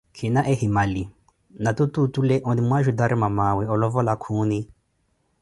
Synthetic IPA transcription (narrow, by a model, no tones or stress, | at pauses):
kʰinaʔɛhimali | natututulɛʔɔdimwaʒud̪aɾimamawɛɔlɔvɔlakʰuːni